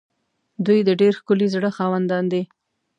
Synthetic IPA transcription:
d̪ujd̪əɖeɾxkʊlizɽəxɑwand̪ɑnd̪i

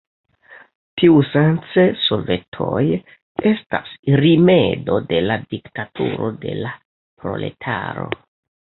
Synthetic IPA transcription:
tʰiusant͡sesolve̞tʰo̞j | e̞sta̰sɾime̞do̞de̞ladiktatʰṵɾo̞̰de̞̰la | pɾo̞̰le̞̰tʰa̰ɾo̞̰

